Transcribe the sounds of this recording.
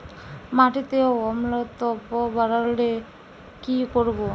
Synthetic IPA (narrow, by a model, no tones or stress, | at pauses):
maʈit̪eɔmlɔt̪ɔbɔbaɾalɖe | kikɔɾbɔ